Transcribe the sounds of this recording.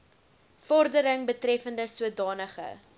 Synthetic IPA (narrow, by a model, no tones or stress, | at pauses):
fɔrdəɾəŋbətrɛfəndəsuədɑːnəχə̰